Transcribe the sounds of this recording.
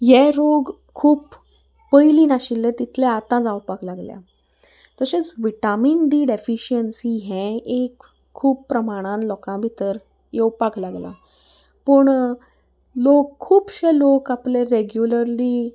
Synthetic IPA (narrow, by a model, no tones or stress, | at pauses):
jɛɾoɡ | kʰːuːbː | əjlinaɕilːɛ̃t̪it̪ʰlɛat̪ãd͡zawpaklaɡlja̰ | t̪əset͡sʋiʈaminɖiːɖefiɕiənsiɦɛ̃ekʰː | uːbpːɾəmaɽ̃ãnlɔkãbʱit̪əɾ | jewpaklaɡla̰ | pəɳ | lokʰːuːbɕelokapleɾeɡjuləɾli